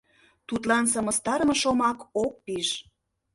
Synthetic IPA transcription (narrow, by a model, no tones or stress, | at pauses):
t̪ut̪lɑnsɑmə̆st̪ɑɾəmɤ̆ʃomɑkok̚piʃ